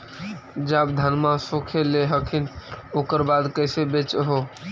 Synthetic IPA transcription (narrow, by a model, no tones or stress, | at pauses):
d͡ʒabd̪ʱənmãsokʰeleɦəkʰinokəɾbad̪kəɪsebet͡ʃɦo